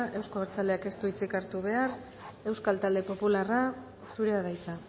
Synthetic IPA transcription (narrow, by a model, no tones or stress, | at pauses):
ʔe̞wsko̞βeɾt͡saleake̞st̪uit͡sikaɾt̪uβ̞e̞ar | e̞wskalt̪ald̪e̞po̞pulara | suɾe̞aðajt͡sa